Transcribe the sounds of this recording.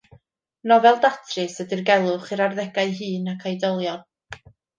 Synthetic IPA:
nɔvɛlˠdatʰrɨsədirɡɛlˠʊχɨɾarðɛɡaɨɦɨːnakʰajdɔlˠjɔn

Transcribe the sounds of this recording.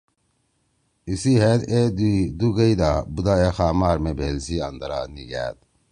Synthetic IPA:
isiɦeːt̪ed̪uɡɐid̪aːbud̪aːexaːmaːɾmebʱeːlsiːɐnd̪ɐɾaːniɡæ̰ːt̪̚

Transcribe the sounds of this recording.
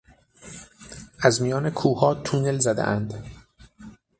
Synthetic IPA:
ʔæzmijɒːnekʰuːhɒːt̪ʰunelzæd̪ḛʔænd̪

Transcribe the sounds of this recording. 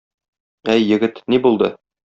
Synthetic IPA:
æjːɘ̆ɡɘt̪nibulˠd̪ɤ

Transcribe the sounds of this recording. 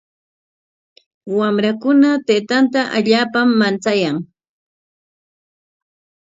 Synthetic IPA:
wamɾakʊnat̪eːt̪ant̪aʔaʎaːpamːant͡sajaŋ

